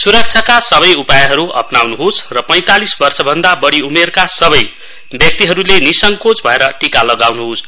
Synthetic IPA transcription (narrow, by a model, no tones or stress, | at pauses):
suɾʌk̚t͡sʰʌkasʌβʌjupajɦʌɾuʌ̰pnawnuɦosrʌpʌj̃t̪alisbʌrsʌbʱʌnd̪abʌɽiumerkasʌbʌj | bjʌk̚t̪iɦʌɾulenisʌŋkot͡sbʱʌeɾʌʈikalʌɡawnuɦos